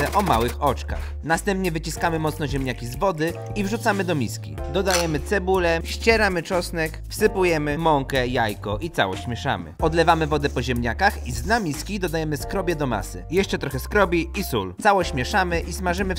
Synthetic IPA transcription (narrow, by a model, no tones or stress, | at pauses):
ɛʔɔma̰wɘxɔt͡ʂka̰x | nast̪ɛmpɲɛvɘt͡ɕiskamɘmɔt̪snɔʑɛmɲakʲizvɔd̪ɘ | ivʐut̪samɘd̪ɔmʲiskʲḭd̪ɔd̪ajɛmɘt̪sɛbulɛɕt͡ɕɛɾamɘt͡ʂɔsnɛkfsɘpujɛmɘmɔŋkɛjajkɔʔit̪sa̰wɔ̰ɕt͡ɕːmʲjɛʂa̰mɘ̰ɔd̪lɛvamɘvɔd̪ɛpɔʑɛmɲakaxiznamʲiskʲid̪ɔd̪ajɛmɘskɾɔbʲjɛd̪ɔma̰sɘ̰jɛʂt͡ʂɛt̪ɾɔxɛskɾɔbʲiisṵlt̪sawɔɕɕmʲjɛʂamɘʔismaʐɘmɘ